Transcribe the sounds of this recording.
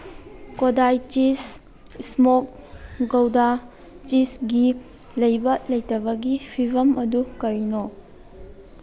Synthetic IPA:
kodajt͡ʃis | ismok̚ | ɡɐwda | t͡ʃisɡi | lɐjbɐlɐjtɐbɐɡipʰibɐmʔɐdukɐɾino

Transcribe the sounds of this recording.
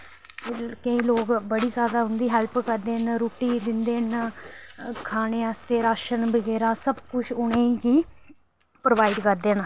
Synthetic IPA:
kəĩːloːɡbəɽiːsjaːd̪aːɦʊnd̪iːɦɛlpkəɾd̪eːnɾoːʈiːd̪ɪnd̪eːn | kʰaːneːəːst̪eːɾaːʃənbəɡɛːɾaːsəbkʊt͡ʃʰʊɽẽːiɡiː | pɾoːʋaːɪɖkəɾd̪eːn

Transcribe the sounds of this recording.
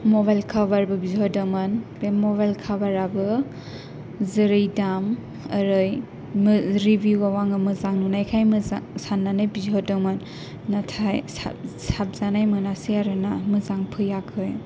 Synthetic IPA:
moβajlkʰabaɾbɯbizɔdɔmanbemɔβajlkʰabaɾabɯ | zɯɾɯjdam | əɾɯj | mɾibjuwawaŋɯmɯzaŋnunajkʰajmsanːanɯjbizɔdɔmanː | atʰajsap̚zanajmɯnasijaɾɯnamɯzaŋpʰɯjakʰɯj

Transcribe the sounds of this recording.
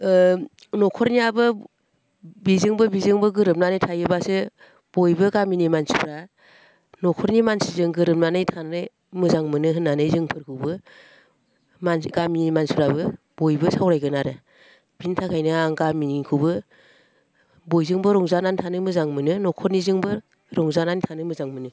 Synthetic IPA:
nɔkʰɔɾniabɯ | bizɯŋbɯbizɯŋbɯɡɯɾɯp̚nanɯjtʰajɯbasɯ | b̥ɔjbɯɡaminimansɯpɾa | nɔkʰɔɾnimansizɯŋɡɯɾɯp̚nanɯjtʰanɯj | mɯzaŋmɯnɯɦɯnːanɯjzɯŋpʰɯɾkʰɯwbɯ | manɡaminimansɯpɾabɯ | b̥ojbɯsawɾajɡɯnaɾɯ | b̥intʰakʰajnɯaŋɡaminikʰɯwbɯ | bɔjzɯŋbɯɾɔŋzanantʰanɯmɯzaŋmɯnɯnɔkʰɔɾnizɯŋbɯ | ɾɔŋzananitʰanɯmɯzaŋmɯnɯ

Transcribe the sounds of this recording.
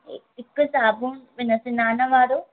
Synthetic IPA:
ḛtikːusaːbumʋinɐsinaːnɐʋaːɾu

